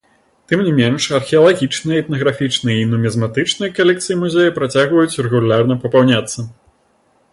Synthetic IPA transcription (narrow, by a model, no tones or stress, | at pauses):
t̪ɨmnʲimʲɛnʂɐrxʲɛɐlˠaɣʲit͡ʂnɨjɐɛt̪nɐɣɾafʲit͡ʂnɨjɐinumʲɛzmat̪ɨt͡ʂnɨjɐkalʲɛk̚t̪sɨjimuzʲejɐpɾat͡sʲaɣvɐjut͡sʲrɛɣulʲarnɐpɐpawnʲat̪sːɐ